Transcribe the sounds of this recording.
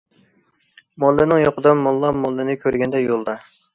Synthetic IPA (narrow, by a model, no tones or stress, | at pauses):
mɔlːɪnɪŋjoqəd̪ɑmɔlˠːɑmɔlˠːɪnɪkʲʰøɾɡʲɛnd̪ɛjolˠd̪ɑ